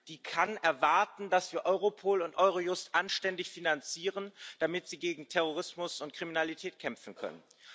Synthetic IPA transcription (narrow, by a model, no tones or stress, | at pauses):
d̥iːkʰanɛɐvaɐtn̩d̥asv̥iːɐʔɔʏʁopʰoːlʊntʔɔʏʁ̞ojʊstʔanʃtɛndɪçfinant͡siːʁ̞ənd̥amɪtz̥iːɡeːɡŋ̩tʰɛʁ̞oʁ̞ɪsmʊsʊntkʁ̥iminalitʰɛːt̚kʰɛmfn̩kʰœ̰nə̰n